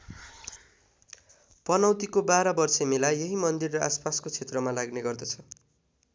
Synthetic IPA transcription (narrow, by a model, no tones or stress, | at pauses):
pʌnʌwt̪ikobaɾʌbʌrsemelajeɦimʌnd̪irːʌʔaspaskot͡sʰet̪rʌmalaɡneɡʌrd̪ʌt͡sʰʌ